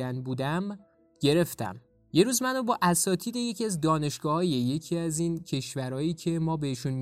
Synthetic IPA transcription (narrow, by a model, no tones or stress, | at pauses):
ænbuːd̪æm | ɟe̞ɾe̞ft̪æ̰m | je̞ɾuːzmænobɒːʔæsɒːt̪ʰiːd̪e̞je̞cʰiæzd̪ɒːne̞ʃɡ̥ɒːhɒːje̞je̞cʰiæziːncʰe̞ʃvæɾɒːjiːcʰe̞mɒːbe̞hiʃunm